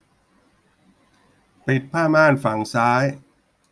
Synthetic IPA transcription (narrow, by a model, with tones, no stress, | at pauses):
pi˨˩t̪̚pʰaː˥˩maː˥˩nfa˨˩˦ŋsaː˦˥j